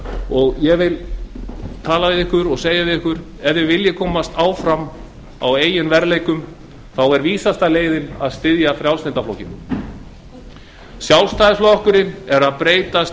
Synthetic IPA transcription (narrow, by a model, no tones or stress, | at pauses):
ɔɣjɛɣvɪl | t̪ʰaːlavɪðɪhkʏɾɔɣseːjavɪðɪhkʏɾ | ɛvðɪvɪljɪkʰɔːmast̪aːwfɾam | a̰weːjɪnvɛɾlejkʏm | θawɛɾviːsast̪aleːjðɪna̰ðst̪ɪðjafɾjawlsɪnt̪aflowcɪn | sjawlst̪aːðɪsflɔhkʏɾɪnɛɾaðpɾeːjt̪as